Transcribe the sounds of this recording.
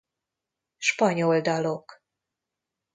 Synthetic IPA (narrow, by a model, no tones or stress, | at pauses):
ʃpɒɲold̪ɒlo̞k